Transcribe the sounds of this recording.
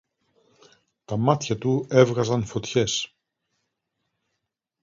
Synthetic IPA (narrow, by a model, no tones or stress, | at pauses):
t̪ɐmɐt̪çɐt̪ue̞vɣɐzɐnfo̞t̪çe̞s